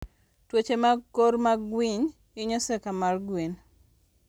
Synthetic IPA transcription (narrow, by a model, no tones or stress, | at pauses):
twot͡ʃemakoɾmaɡwiɲ | ɪɲɔsɛkamarɡwin